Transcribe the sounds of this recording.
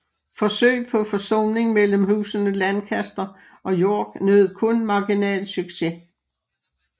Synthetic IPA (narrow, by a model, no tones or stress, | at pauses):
fɒ̽sø̰ɪ̰pʰɒ̽fɒ̽sɔ̰ːne̝ŋmel̰m̩hṵːsənəlænkʰæsd̥ɐ | ʔɒ̽jo̝ɐ̰ɡ̥nøð̩ˠkʰɔ̽nmɑ̈ɡ̥inɛ̰ːlsyɡ̥se̝